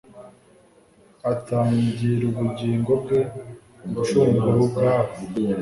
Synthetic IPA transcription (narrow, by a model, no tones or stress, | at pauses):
ataːɲɟiɾuβuɟiːŋɡo̞bɡe̞ | uut͡ʃuːŋɡuɾubɡaːβo